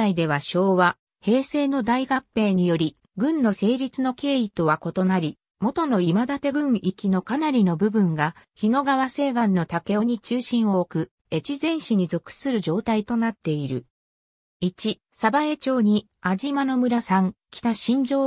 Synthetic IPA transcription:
aid̪e̞β̞aɕo̞ːβa | he̞ːse̞ːno̞d̪aiɡapːe̞ːɲ̟ijo̞ɾʲi | ɡɯ̟̃nːo̞se̞ːɾʲit͡sɨno̞ke̞ːit̪o̞βako̞t̪o̞naɾʲi | mo̞t̪o̞no̞imad̪at̪e̞ɡɯ̟̃ɰ̃ikʲino̞kanaɾʲino̞bɯ̟bɯ̟̃ŋɡa | çino̞ɡaβase̞ːɡãnːo̞t̪ake̞oɲ̟it͡ɕɨːɕĩɰ̃o̞ːkɯ̟ | e̞t͡ɕizẽ̞ɰ̃ɕiɲ̟izo̞kɯ̥sɨɾɯ̟ʑo̞ːt̪ait̪o̞nat̪ːe̞iɾɯ̟̰ | it͡ɕi | sabae̞t͡ɕo̞ːɲ̟i | ad͡ʑimano̞mɯ̟ɾasãŋkʲi̥t̪aɕĩɲ̟d͡ʑo̞ː

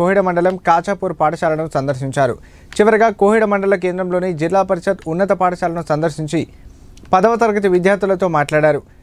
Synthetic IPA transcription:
oːɦiɽɐmɐɳɖɐlɐmkaːt͡ʃaːpuːɾpaːʈɐʃaːlɐnusɐnd̪ɐɾʃ̬iɲt͡ʃaːɾṵ | t͡ʃiʋɐɾɐɡaːkoːɦiɽɐmɐɳɖɐlɐk̬e̞ːnd̪ɾɐmlo̞ːnid͡ʒilːaːpɐɾʃɐt̪unːɐt̪ɐpaːʈɐʃaːlɐnusɐnd̪ɐɾʃiɲt͡ʃi | pɐd̪ɐʋɐt̪ɐɾɡɐt̪̬iʋid̪jaːɾd̪ulɐt̪o̞ːmaːʈlaːɽaːɾu

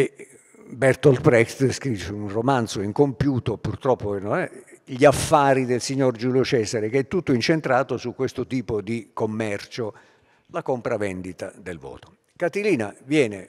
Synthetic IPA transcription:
e | bɛrt̪ɔlpɾɛkst̪skɾit͡ʃunromant̪soiŋkompjuːt̪opurt̪ɾɔpːoenːonɛʎiafːaːɾid̪elsiɲːord͡ʒuljot͡ʃɛːsaɾekeɛt̪ːut̪ːoint͡ʃent̪ɾaːt̪osukːwest̪ʊt̪iːpod̪ikomːɛrt͡ʃo | lakompɾavɛnd̪it̪ad̪elvɔ̰ːt̪o̥ | kat̪iliːnavjɛːne

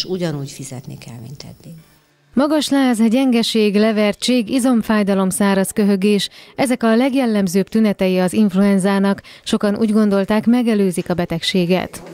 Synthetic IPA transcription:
ʃuɟɒnuːcfizɛ̰t̪nḭkʰɛ̰lmḭnt̪ʰɛ̰d̪ni | mɒɡɒʃlaːzɟɛŋɡɛʃeːɡlɛvɛrt͡ʃeːɡizo̞ɱfaːjd̪ɒlo̞msaːɾɒskøɦø̞ɡeːʃɛzɛkɒlɛɡjɛlːɛmzøːpt̪ynɛt̪ɛjiɒziɱfluɛnzaːnɒk | ʃo̞kɒnṵːɟɡo̞nd̪o̞lt̪aːkmɛɡɛløːzikɒbɛt̪ɛkʃeːɡɛ̰t̪

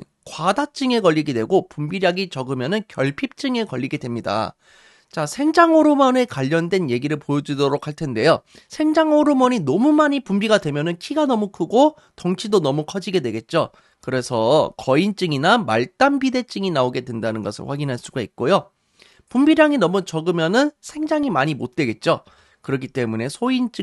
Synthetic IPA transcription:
kwadat͡ɕ͈ɯŋe̞kʌʎːiɡedwe̞ɡopumbiɾjaɡit͡ɕʌɡɯmjʌnɯnkjʌɭpʰip̚t͡ɕ͈ɯŋe̞kʌʎːiɡe̞dwe̞mɲida̰ | t͡ɕasʰe̞ŋd͡ʑaŋoɾomʌne̞kwaʎːʌndwe̞nje̞ɡiɾɯɭpojʌd͡ʑudoɾokʰaɭtʰe̞nde̞jo | sʰe̞ŋd͡ʑaŋoɾomʌɲinʌmumaɲipumbiɡadwe̞mjʌnɯnkʰiɡanʌmukʰɯɡo | tʌŋt͡ɕʰidonʌmukʰʌd͡ʑiɡe̞dwe̞ɡe̞t̚t͡ɕ͈o | kɯɾe̞sʰʌkʌint͡ɕ͈ɯŋinama̰ɭt͈ambide̞t͡ɕ͈ɯŋinaoɡe̞dwe̞ndanɯnɡʌsʰɯ̰ɭɸwaɡinɦaɭs͈uɡaik̚k͈ojo | pumbiɾjaŋinʌmut͡ɕʌɡɯmjʌnɯnsʰe̞ŋd͡ʑaŋimaɲimot̚t͈we̞ɡe̞t̚t͡ɕ͈o | kɯɾʌk̬ʰit͈e̞mune̞sʰoint͡ɕ͈ɯ

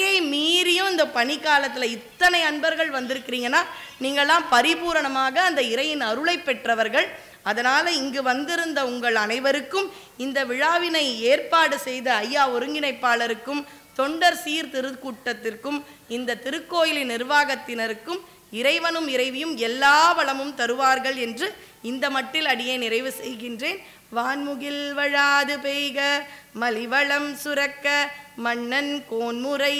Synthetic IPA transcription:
jɐɪmiːɾɪjɯmɪnd̪ɐpɐɳɪkːaːlɐt̪ːɪlɐɪt̪ːɐnɐɪɐɳbɐɾɣɐɭʋɐnd̪ɪɾɯkːɪɾiːŋɡɐnːaːniːŋɡɐɭɛlaːmpɐɾɪpuːɾɐɳɐmaːɣɐːnd̪ɐɪɾɐjɪnɐɾɯɭɐɪpːɛʈrɐʋɐɾɣɐɭ | ɐðɐnaːlɐɪŋɡɯʋɐnd̪ɪɾɯnd̪ɐʊŋɡɐɭɐnɐɪʋɐɾɯkːɯm | ɪnd̪ɐʋɪɻaːʋɪnɐɪeːrpaːɽɯsɛjðɐɐjːaːɔɾɯŋɡɪnɐɪpːaːlɐɾɯkːɯmt̪ɔɳɖɐɾsiːɾt̪ɪɾɯkuːʈːɐt̪ːɪrkːɯm | ɪnd̪ɐt̪ɪɾɯkːoːjɪlɪnɪɾʋaːɣɐt̪ːɪnɐɾɯkːɯm | ɪɾɐɪʋɐnɯmɪɾɐɪʋɪjɯmɛlːaːʋɐɭɐmɯmt̪ɐɾɯʋaːɾɣɐɭɛndrɯ | ɪnd̪ɐmɐʈːɪlɐɽɪjɐɪnɪɾɐɪʋɯsɛjɣɪndreːn | ʋaːnmʊɣɪlʋɐɻaːðɯpeːɣɐmɐlɪʋɐɭɐmsʊɾɐkːɐmɐɳːɐnkoːnmɯɾɐɪ

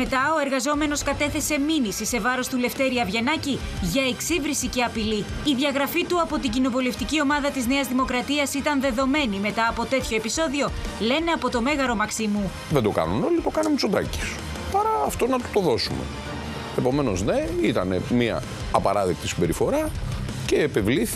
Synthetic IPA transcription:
me̞t̪ɐo̞e̞ɾɣɐzo̞me̞noskɐt̪e̞θe̞se̞minisise̞vɐɾo̞st̪ule̞ft̪e̞ɾiɐvʝe̞nɐciʝɐe̞ksivɾisice̞ɐpiliːðʝɐɣɾɐfit̪uɐpo̞t̪iɟino̞vole̞ft̪icio̞mɐðɐt̪izne̞ɐzðimo̞kɾɐt̪iɐsit̪ɐnðe̞ðo̞me̞nime̞t̪ɐːpo̞t̪e̞t̪ço̞episo̞ðio̞le̞ne̞ɐpo̞t̪o̞me̞ɣɐɾo̞mɐksimu | ðend̪o̞kɐ̰nuno̞lit̪o̞kɐnumsod̪ɐ̰ci̥s | pɐɾɐːft̪o̞nɐt̪u̥t̪o̞ðo̞sumḛ | epo̞me̞no̞zne̞it̪ɐne̞̰miɐ̰ː | pɐ̰ɾɐðek̚t̪isibe̞ɾifo̞ɾɐ | ce̞ːpe̞vliθi

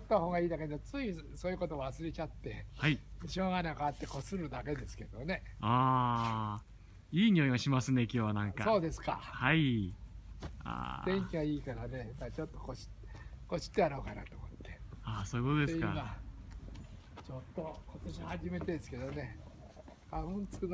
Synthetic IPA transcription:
ot̪ːaho̞ːɡaiːd̪aked̪t͡sɨi | soːjɯko̞t̪oːβasɨɾe̞t͡ɕat̪ːe̞haiiɕoːɡanakaat̪ːe̞ko̞sɨɾɯ̟d̪ake̞d̪e̞sɨ̥ke̞d̪o̞ne̞aː | iːɲʲioiɡaɕimasɨne̞kʲo̞ːβanãŋkaso̞ːd̪e̞sɨ̥ka̰hai | a̰d̥̪ẽ̞ŋkʲiɡaiːkaɾane̞mat͡ɕo̞t̪ːokoɕi̥ | ko̞ɕi̥t̪ːejaɾo̞ːkana̰t̪o̞ːmo̞t̪ːe̞asoːikot̪od̪eesiama | t͡ɕo̞t̪ːo̞kot̪o̞ɕihaʑime̞t̪e̞d̪esɨ̥ke̞d̪o̞ne | ɡ̥abõnt͡sɨ̥kɯn

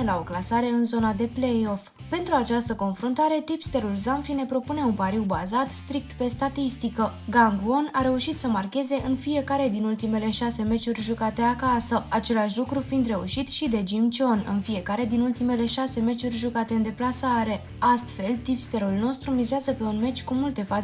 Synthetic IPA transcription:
elao̞klasaɾe̞ɨnzo̞nad̪e̞ple̞jo̞f | pe̞nt̪ɾuat͡ʃast̪əko̞nfɾont̪aɾe̞t̪ipst̪e̞ɾulzamfine̞pɾo̞pune̞unpaɾiwbazat̪st̪ɾik̚t̪pe̞st̪at̪ist̪ikəɡaŋɡuo̞naɾe̞uʃit̪səmarkʲe̞ze̞ʔɨnfije̞kaɾe̞d̪inult̪ime̞le̞ʃase̞me̞t͡ʃurʲʒukat̪e̞akasəat͡ʃe̞laʃʲlukɾufind̪re̞ṵʃit̪ʃid̪e̞d͡ʒimt͡ʃo̞nɨ̰nfie̞kaɾe̞d̪inult̪ime̞le̞ʃase̞me̞t͡ʃurʲʒukat̪e̞ɨnd̪e̞plasaɾe̞ | ast̪fe̞lt̪ipst̪e̞ɾulno̞st̪ɾumizeazəpe̞unme̞t͡ʃʲkumult̪e̞fa

